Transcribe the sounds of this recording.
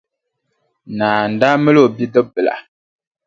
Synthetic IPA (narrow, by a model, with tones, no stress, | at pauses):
na˨n˨da˦mə˦lo˨bi˦də˦bə˨la̰˨